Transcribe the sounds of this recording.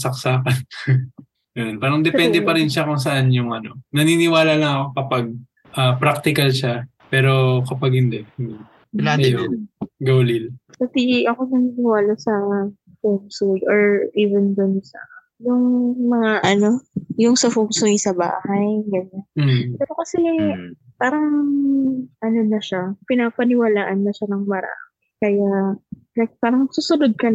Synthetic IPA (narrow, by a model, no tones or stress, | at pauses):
sɐk̚saːkɐn | jonpaːɾɐŋd̪ɛpɛnd̪ɛpɐɾɪnʃakʊŋs̬ɐʔanjʊŋʔɐno̞nɐninɪwaːlalɐŋɐkokɐpaɡ̚ | ʔaːpɾak̚t̪ɪkɐlʃa | pɛːɾo̞kɐpaɡ̚hɪnd̪ɛɪnd̪o | aɐjonɡoːlilpɐt̪iiʔɐkonɐninɪwaːlɐsɐ | homsujoɹʔiːvɛnd̪ʊnsɐ | jʊŋmɐŋaʔɐno̞jʊŋsɐfomsujsɐba̰ːhɐjɡɐɲːapɛːɾo̞kɐsɛ | paːɾɐŋ | ʔɐnonɐʃapɪnapɐnɪwɐlaːʔɐnːɐʃanɐŋmɐɾa̰ːmɪkɐjalajk̚paːɾɐŋsuːsʊnod̪̚kɐ